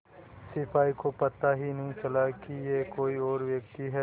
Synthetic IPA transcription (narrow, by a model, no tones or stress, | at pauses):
sɪpʰaːikopɐt̪ːaɦinɐɦĩt͡ʃɐlakijekoːiɔːɾʋjɐkt̪iɦɛ